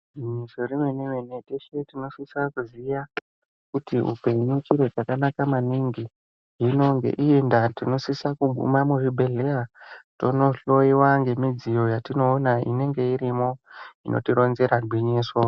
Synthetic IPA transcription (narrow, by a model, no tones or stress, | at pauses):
iɲisorimenemeneteʃetino̞siswakuziʋa | kutiɦṵpe̞ɲut͡ʃiɾe̞t͡ʃakanakamaniŋɡi | ɦino̞ŋɡe̞̰ʔiendatino̞sisakuɡʱṵmamuʐibʱe̞ɮejato̞no̞ɬo̞iwaŋɡe̞mid͡zijo̞jatino̞ːnaḭne̞ŋɡe̞iɾimo̞inʔo̞̰tiɾo̞nze̞ɾarʱwiɲiːso